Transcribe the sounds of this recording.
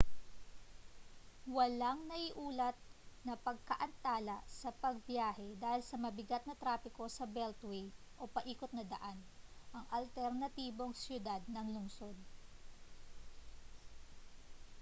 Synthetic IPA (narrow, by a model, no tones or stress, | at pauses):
wɐlɐŋnɐʔiʔuːlɐt̪̚nɐpɐɡ̚kɐʔɐnt̪aːlɐsɐpɐɡ̚bjaːhɛd̪aːhɪlsɐmɐbɪɡat̪̚nɐt̪ɾaːpɪko̞sɐbɛlt̪wɛjʔo̞pɐʔiːkot̪̚nɐd̪ɐ̰ʔanʔɐŋʔɐlt̪ɛɾnɐt̪iːbo̞ŋsjʊd̪ad̪̚nɐŋlʊŋso̞d̪̚